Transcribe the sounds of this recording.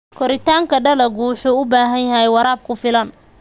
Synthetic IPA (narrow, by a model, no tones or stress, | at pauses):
kʰɔɾɪt̪ʰaːŋkʰɐɖɐlɐɣʊwʊħuːʊbaːɦɐnjɐɦɛjwɑɾaːb̚kʰʊfɪlɐn